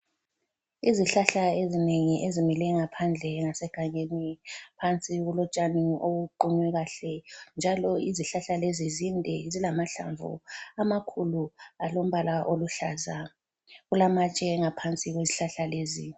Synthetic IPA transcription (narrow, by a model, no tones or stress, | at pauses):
iziɬaɬaezineŋiʔezimilɛŋapʰand͡ɮʱɛŋasɛɡ̥ʱaɲenipʰant͡sʼiɣulɔt͡ʃʼanioɣuǃuɲwɛɣaɬɛnd͡ʒʱalɔiziɬaɬalezizindʱɛzilamaɬa̰ɱvṵamakʰulualom̩βalaʔoluɬaza | ɣulamat͡ʃʼɛŋapʰant͡sʼiɣweziɬaɬaleːzi